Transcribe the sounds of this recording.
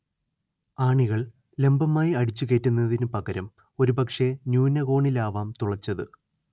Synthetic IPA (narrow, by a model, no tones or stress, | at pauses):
aːɳiɣɐɭ | le̞mbɐmaːjiɐɽit͡ɕːuɣe̞ːtːunːɐðinɨpɐɣɐɾɐm | o̞ɾubɐkʂe̞njuːnːɐɣo̞ːɳilaːʋaːmt̪uɭɐt͡ɕːɐðɨ